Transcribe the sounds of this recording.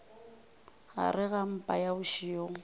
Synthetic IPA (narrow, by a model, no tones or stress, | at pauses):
ɣa̰rɪɣam̩pʼajaʊʃioːŋ̩